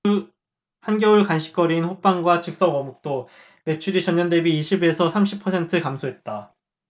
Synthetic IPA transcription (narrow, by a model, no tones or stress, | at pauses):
hanɡjʌuɭkanɕʰi̥k͈ʌɾinɸop͈aŋɡwat͡ɕʰɯk̚s͈ʌmʌmuk̚t͈o | me̞t͡ɕʰuɾit͡ɕʌɲːʌnde̞biːɕʰibe̞sʰʌsʰamɕʰipʰʌsʰe̞ntʰɯkamsʰoɦe̞t̚t͈a